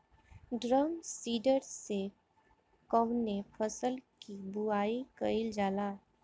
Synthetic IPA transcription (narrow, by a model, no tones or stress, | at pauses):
ɖɾəmsiːɖəɾse | kəʊnepʰəsəlkibuaːikəild͡ʒaːla